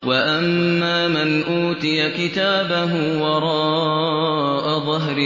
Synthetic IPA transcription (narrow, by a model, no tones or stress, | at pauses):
waʔamːaːmɪnʔuːt̪ɪjakɪt̪aːbaɦʊwɑɾˤɑː | ʔaðˤɑɦɾɪ